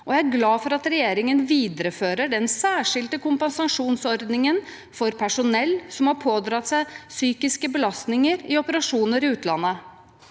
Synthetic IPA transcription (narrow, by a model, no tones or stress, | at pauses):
ʔɔjæɪæɾɡlɑːfɔɾɑt̪ɾɛjeːɾɪŋənʋiːd̪əɾəføːɾəɖɛnsæːʂɪlt̪əkʊmpɛnsɑʂuːnsɔɾd̪nɪŋən | fɔɾpʰæʂʊnɛlːsɔmhɑɾpʰoːd̪ɾɑt̪sæɪsyːkɪskəbəlɑst̪nɪŋəɾɪɔpəɾɑʂuːnəɾɪʉːt̪lɑ̰nːə